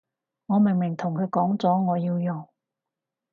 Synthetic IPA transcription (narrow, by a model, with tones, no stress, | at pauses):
ŋɔː˨˧mɪ˨˩ŋmɪ˨˩ŋt̪ʰʊ˨˩ŋkʰɵ˨˧ɥkɔː˨˥ŋt͡sɔː˨˥ŋɔː˨˧jiː˧wjʊ˨˩ŋ